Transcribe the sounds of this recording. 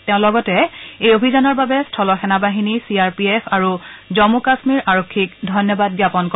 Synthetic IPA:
tɛ̃ʊ̃lɔɡɔtɛejobʱizanɔɹbabɛstʰɔlɔxɛnabaɦinisiaɹpiepʰaɹuzɔmukasmiɹʔaɹokʰːikdʱɔjnjɔbad̚ɡjapɔnkɔ

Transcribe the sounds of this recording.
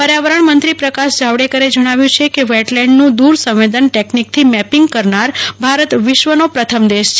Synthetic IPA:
pəɾjaʋəɾəɳmənt̪ɾipɾəkaʃd͡ʒʱaʋɽekəɾed͡ʒəɽ̃aʋjũt͡ʃʰekeʋɛʈlɛ̃ɳɖnũd̪uɾsə̃ʋʋed̪ənʈeknik̚t̪ʰimɛpiŋɡkəɾnaɾbʱaɾət̪ʋɪʃʋənopɾət̪ʰəmd̪eʃt͡ʃʰ

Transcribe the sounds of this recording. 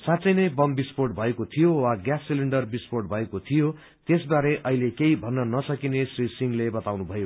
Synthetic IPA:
sãt̪t͡sʌjnʌjbʌmbisporʈ̚bʱʌekot̪ʰijowaɡjasːiliɳɖʌrbisporʈ̚bʱʌekot̪ʰijo | t̪esbaɾeʔʌɦilekeibʱʌnːʌnʌsʌkinesrisiŋlebʌt̪awnubʱʌjo

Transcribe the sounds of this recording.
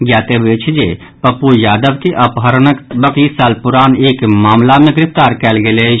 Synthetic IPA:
ɡjaːt̪ebeːt͡ʃʰd͡ʒe | pəpujaːd̪əbkeʔəpɦəɾnəkbəklisaːlpʊɾaːneːkmaːmlamẽɡɾɪpt̪aːɾkɛːlɡele

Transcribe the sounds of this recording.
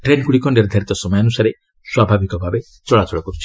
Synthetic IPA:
ʈɾenkuɽikɔnɖeɾed̪ʱaɾit̪ɔsɔmɔjɔanusaɾe | swabʱabikɔbʱabe | t͡ʃɔɭat͡ʃɔɭɔkɔɾut͡ʃʰi̥

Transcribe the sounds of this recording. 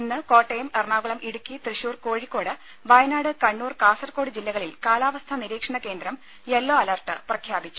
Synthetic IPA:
inːɨko̞ːʈːejɐmerɳaːɡuɭɐmʔiɽukʲːit̪riɕuːrko̞ːɻikːo̞ːɽɨ | ʋɐjɐnaːɽɨkɐɳːuːrkaːsɐrko̞ːɽɨd͡ʑilːɐɣɐɭilkaːlaːʋɐst̪ʰɐniɾiːkʂɐɳɐke̞ːnd̪ɾɐm | elːoːɐlɐrʈːɨprɐkʰjaːbit͡ɕːu

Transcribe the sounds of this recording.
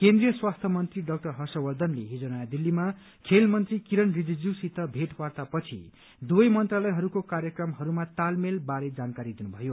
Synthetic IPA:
kend̪rijʌswast̪ʰʌmʌnt̪riɖʌk̚ʈʌrɦʌsʌwʌd̪ʱʌnlḛɦid͡zonajad̪ilːima | kʰelmʌnt̪rikiɾʌnrid͡zid͡ziwsit̪ʌbʱeʈpart̪apʌt͡sʰḭ | d̪uʌjmʌnt̪ralʌjɦʌɾukokaɾjʌkrʌmɦʌɾumat̪almelbaɾed͡zankaɾid̪inubʱʌjo

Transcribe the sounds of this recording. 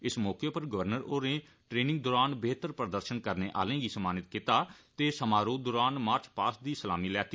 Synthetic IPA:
ɪsmɔːkeːpəɾɡəʋəɾnəɾoːɾẽː | ʈɾeːnɪ̃ŋɡ̚d̪oːɾaːnbeːt̪əɾpɾəd̪əɾʃənkəɾneːʔa̰ːlẽːɡiːsəmaːnɪt̪kɪt̪aːt̪eːsəmaːɾoːd̪oːɾaːnmaːɾt͡ʃpaːsd̪iːsəlaːmiːlɛːt̪i

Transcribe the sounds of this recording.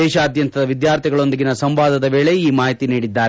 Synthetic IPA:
ɛːʃaːd̪jɐnt̪ɐd̪ɐʋid̪jaːɾt̪ʰiɡɐɭo̞nd̪iɡinɐsɐmʋaːd̪ɐd̪ɐʋe̞ːɭeiːmaːɦit̪iniːɽid̪ːaːɾe

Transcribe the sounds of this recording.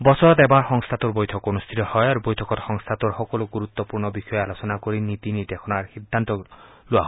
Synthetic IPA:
bɔsʰɔɾɔt̪ebaɾxɔŋst̪ʰat̪uɾbojt̪ʰɔkonust̪ʰit̪ɔhɔeaɾubojtʰɔkɔt̪xɔŋst̪ʰat̪uɾxɔkɔloɡuɾut̪ːɔpuɾnɔbixɔealosɔnakoɾinit̪init̪ekʰɔnaɾhid̪ʱːant̪ɔ | loaɦɔ

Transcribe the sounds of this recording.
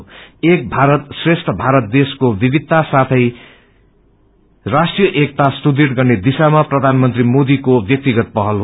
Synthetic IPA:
ek̚bʱaɾʌt̪sresʈʰʌbʱaɾʌt̪̚d̪eskobibid̪̚t̪ːasat̪ʰʌj | rasʈrijʌʔek̚t̪asʈud̪iʈɡʌrned̪isamaprʌd̪ʱanmʌnt̪rimod̪ikobjʌk̚t̪iɡʌt̪̚pʌɦʌlɦ

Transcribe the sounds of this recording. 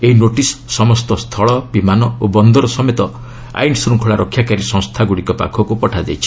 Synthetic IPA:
einoʈisːɔmɔst̪ɔst̪ʰɔɭɔbimanɔobɔnd̪ɔɾɔsɔmet̪ɔ | a̰jnsuɾukʰɔɭaɾɔkʰːjakaɾisɔ̃ŋ̃st̪ʰaɡuɽikɔpa̰kʰɔkupɔʈʰad͡ʒajt͡ʃʰi̥

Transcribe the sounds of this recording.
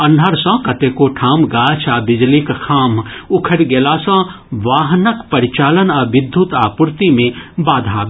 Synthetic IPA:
ɐnɖʱəɾsə̃kɐt̪ekoʈʰaːmɡaːt͡ʃʰabɪd͡ʒlikkʰaːmʊkʰəɽɡeːlasə̃ | ʋaːɦnəkpɐɾit͡ʃaːlənɐʋɪd̪ʱːut̪aːpuɾt̪imẽbaːd̪ʱaː

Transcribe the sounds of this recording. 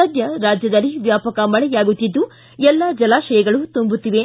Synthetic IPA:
ɐd̪jɐɾaːd͡ʒjɐd̪ɐlːiʋjaːpɐkɐmɐɭɛjaːɡut̪ːid̪ːu | ɛlːad͡ʒɐlaːʃɐjɐɡɐɭut̪umbut̪ːiʋe

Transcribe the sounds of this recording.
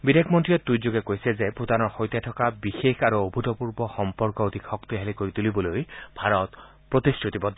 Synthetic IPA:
bid̪ekʰmɔntɹiɔt̪ːujd͡ʒoɡekojsɛzepud̪anɔɹxojt̪jatʰɔkabixekʰaɾuobʱut̪ɔpuɹbɔxɔmpɔɹkɔod̪ʱikʰɔkt̪iɦelikoɾit̪ulibɔlojb̥ʱaɾɔt̪ | pɹot̪isʈɹut̪ibɔd̪

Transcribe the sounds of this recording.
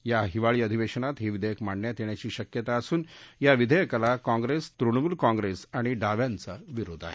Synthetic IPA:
jaɦiʋaɭiːəd̪ʱiʋeɕənat̪ɦeʋid̪ʱəjəkmaɳːjat̪eɳ̃jat͡ɕiːɕəkjət̪aəsuːnjaʋid̪ʱəjəkalakãŋɡɾest̪ɾuɳmuːlkãŋɡɾesaɽ̃iɖaʋjant͡səʋiɾod̪ʱa̰ɦe

